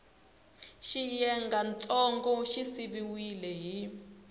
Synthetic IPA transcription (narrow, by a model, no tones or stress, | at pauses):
ʃijɛŋɡant͡sʼɔŋɡɔʃisiβiwilɛɦi